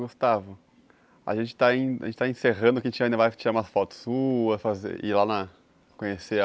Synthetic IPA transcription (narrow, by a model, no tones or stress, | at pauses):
ɡost̪avʊ | a̰ʒẽnt͡ʃɪ̥t̪aĩɐʒẽt͡ʃɪt̪aẽseɦɐ̃d̪ʊkẽt͡ʃĩɐ̃d̪vajft͡ʃiɾaɾumɐsfɔt̪ʊ̥sːuɐsfazḛɪ̰lanɐ | kõɲese